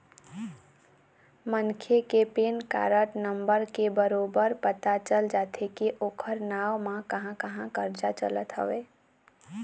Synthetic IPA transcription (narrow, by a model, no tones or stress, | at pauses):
mənkʰekepeːnka̰ɾəʈnəmbəɾkebəɾoːbəɾpət̪at͡ʃəld͡ʒaːt̪ʰekeʔoːkʰəɾnawmãkəɦãkəɦãkəɾd͡ʒat͡ʃə̰lət̪ɦə̰ʋe